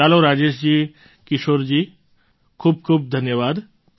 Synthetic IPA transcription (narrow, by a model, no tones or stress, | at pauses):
aloɾad͡ʑeʃd͡ʑiː | kiʃoːɾd͡ʑiː | kʰuːb̚kʰuːp̚d̪ʱənjəʋad̪